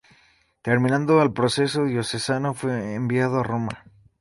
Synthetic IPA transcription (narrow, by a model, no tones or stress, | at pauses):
t̪eɾmĩnãnd̪oalpɾo̞se̞so̞ðjo̞se̞sano̞fwe̞ːmbjað̞oaro̞ma̰